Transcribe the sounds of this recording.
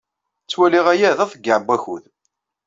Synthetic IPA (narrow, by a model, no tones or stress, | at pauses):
t͡sːwæliʁæjæðæθəɡːəʕbːæçuð